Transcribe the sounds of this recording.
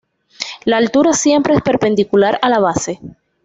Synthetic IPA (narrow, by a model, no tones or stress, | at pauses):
laːlt̪uɾasje̞mpɾeespe̞ɾpe̞nd̪ikulaɾalaβ̞ase̞